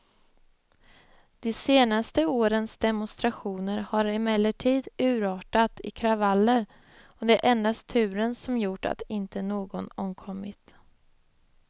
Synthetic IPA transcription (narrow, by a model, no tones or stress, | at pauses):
d̪̥ɛseːnast̪əoːɾənsd̪ɛmʊnst̪ɾaɧuːnəɾhaɾɪmɛlːəʈʰiːd̪ʉ̟ːɾɑːʈat̪ɪ̰kʰɾavalːəɾ | ɔd̪ɛæɾʔɛnd̪ast̪ʰːʉ̟ːɾənsɔmjʊʈːa̰t̪ɪnt̪ənoːɡɔnɔmkʰɔmːɪt̪